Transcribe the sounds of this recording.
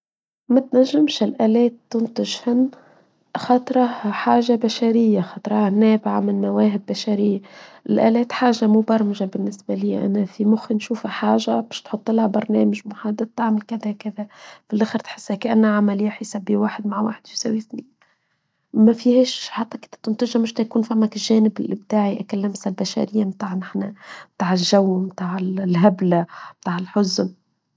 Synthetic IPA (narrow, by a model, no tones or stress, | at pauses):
mæt̪næʒːɪmʃɪlʔæːlɛːt̪ːʊnt̪ɪʒhɪnː | xɑt̪ˤɾˤɑħaːʒabæʃæɾɪjːaxɑt̪ˤɾˤɑhænːɛːbʕamɪnːæwɛːɦɪbːæʃæɾɪjːaʔɪlʔæ̰ːlɛːt̪ħaːʒamubɑɾˤmɪʒabɪnːɪsbæliːʔæ̰næfimʊxinʃuːfæħaːʒabɛːʃt̪ħʊt̪ˤːɪlhabɑɾˤnɛːmɪʒmʊħad̪ːad̪̚t̪ːaʕmɪlkæðækæðæfilʔaxɪɾt̪ħɪ̥sːhækʔanːaʕamælɪjːaħisabːiwaːħɪd̪maʕwa̰ːħɪd̪fisawiθniːn | mæfihɛːʃħat̪ˤːɑkɪnt̪ːæ̥t̪ɪnt̪ɪʒhamʊʃt̪æjkuːnfæmːækɪʒɛːnɪbɪlːɪb̚t̪aːʕiʔækælːamsalbæʃa̰ɾɪjːamt̪aːʕnɪħnat̪aːʕɪʒʒawːmt̪aːʕɪlɦablamt̪aːʕɪlħʊzn